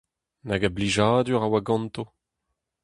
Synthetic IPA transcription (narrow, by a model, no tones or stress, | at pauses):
naɡabliʒaːd̪yʁawaɡɑ̃nt̪o